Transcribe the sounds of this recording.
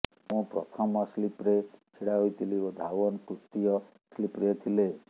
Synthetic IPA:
mũpɾɔ̰t̪ʰɔmɔslipɾekʰeɽaɦojt̪iliod̪ʱawɔnkut̪ːijɔ | slipɾjɔt̪ʰile

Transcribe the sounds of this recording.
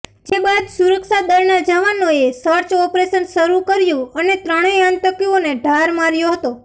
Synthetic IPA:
d͡ʒebad̪suɾəkʃad̪əɾnad͡ʒaʋanoesəɾt͡ʃɔpɾeʃənʃəɾukəɾjũənet̪ɾəɽ̃eãnt̪əkioneɖʱaɾmaɾjoɦət̪o

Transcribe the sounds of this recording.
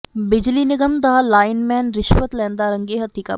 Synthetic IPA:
bɪd͡ʒlinɪɡəmt̪aalaːɪnmɛ̃ːnɾɪʃʋət̪lɛːnd̪aɾə̃ŋɡeɦɐt̪ika̰

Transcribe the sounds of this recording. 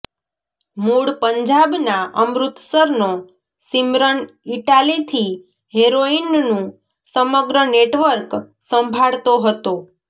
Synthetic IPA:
muɽpəɲd͡ʒabnaʔəmɾut̪səɾno | simɾən | iʈalit̪ʰi | ɦeɾoinnũ | səməɡɾəneʈʋəɾk | səmbʱaɭt̪oɦət̪o

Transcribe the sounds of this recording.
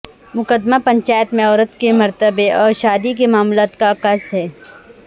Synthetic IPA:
mʊkəd̪mapɐ̃ɲt͡ʃaːjət̪mẽɔːɾət̪kemɐɾt̪əbeʔɔːɾʃaːd̪ikemaːmlaːt̪kakɐsɦɛː

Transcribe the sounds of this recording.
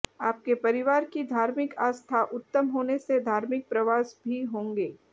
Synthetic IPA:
aːp̚kepɐɾɪʋaːɾkid̪ʱaːɾmɪkaːst̪ʰaʔʊt̪ːəmɦoːnesed̪ʱaːɾmɪk̚pɾɐʋaːsbʱiɦõːŋɡeː

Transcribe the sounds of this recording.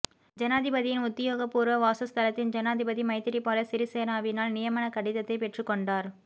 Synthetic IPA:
d͡ʒɐnaːðɪbɐðɪjɪnʊt̪ːɪjoːɣɐpːuːɾʋɐʋaːsɐst̪ɐlɐt̪ːɪnd͡ʒɐnaːðɪbɐðimɐɪt̪ːɪɾipːaːlɐsɪɾiseːnaːʋɪnaːlnɪjɐmɐnɐkɐɽɪðɐt̪ːɐɪpɛʈrɯkːɔɳɖaːɾ

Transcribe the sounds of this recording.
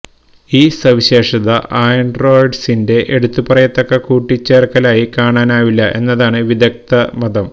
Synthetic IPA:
iːsɐʋiɕe̞ːʂɐðɐʔʔaːjɐɳɖro̞ːjɖsinde̞ʔeɽut̪ːupɐrɐjɐt̪ːokːɐkuːʈːit͡ɕːeːrkɐlaːjikaːɳaːnaːʋilːɐʔe̞nːɐðaːɳɨʋid̪ɐk̚t̪ɐmɐðɐm

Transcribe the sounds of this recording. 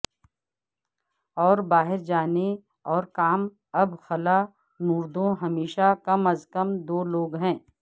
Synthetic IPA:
ɔːɾbaːɦɪɾd͡ʒaːne | ɔːɾkaːm | ɐbxɐla | nuːɾd̪õɦɐmeːʃakɐməzkɐmd̪oːloːɡɦɛ̃ː

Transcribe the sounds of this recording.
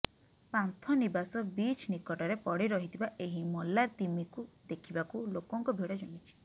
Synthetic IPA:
pant̪ʰɔnibasɔbit͡ʃʰnikɔʈɔɾepɔɽiɾɔɦit̪ʰibaʔeɦimɔlːaɾt̪imikud̪ekʰibakulokɔŋkɔbʱeɽɔd͡ʒɔnit͡ʃʰi̥

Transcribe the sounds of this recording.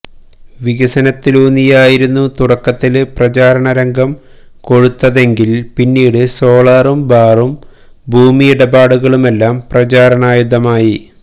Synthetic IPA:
ʋiɣɐsɐnɐt̪ːiloːnːijaːjiɾunːut̪uɽɐkːɐt̪ːilɨprɐt͡ɕaːɾɐɳɐɾɐŋɡɐm | ko̞ɻut̪ːɐðe̞ŋɡilpinːiːɽɨso̞ːɭaːrumbaːrum | bʱuːmijiɽɐbaːɽuɣɐɭume̞lːaːmprɐt͡ɕaːɾɐɳaːjuðɐmaːji

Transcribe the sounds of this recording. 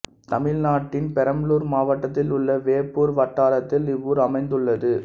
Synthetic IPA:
t̪ɐmɪlnaːʈːɪnpɛɾɐmluːɾmaːʋɐʈːɐt̪ːɪlʊɭːɐʋeːpːuːɾʋɐʈːaːɾɐt̪ːɪlɪʋːuːɾɐmɐɪnd̪ɯɭːɐðɯ

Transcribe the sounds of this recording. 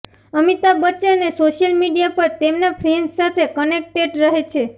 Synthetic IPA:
əmit̪abətːt͡ʃeənesoʃjəlmiɖijapəɾt̪emnapʰɾensat̪ʰekənek̚ʈeɖɾəɦet͡ʃʰe

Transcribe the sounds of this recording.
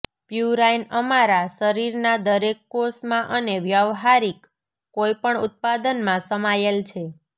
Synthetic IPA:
pjuɾajnəmaɾasəɾiɾnad̪əɾekːosmãʔəneʋjəʋɦaɾikː | ojpəɳʊt̪̚pad̪ənmãsəmajelt͡ʃʰe

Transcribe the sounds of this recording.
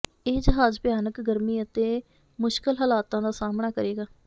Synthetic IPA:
eːd͡ʒəɦaːzpjaːnəkɡəɾmiːət̪eː | mʊʃkəlɦəlaːt̪ãːd̪aːsaːmɳaːkəɾeːɡaː

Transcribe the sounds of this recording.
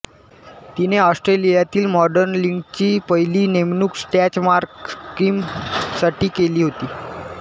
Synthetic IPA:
t̪ineɔsʈɾelijat̪iːlmɔɖəɾnliŋɡt͡ɕiːpəjliːnemnuːksʈæt͡ɕmaɾkskɾiːmsaʈiːkeliːɦot̪iː

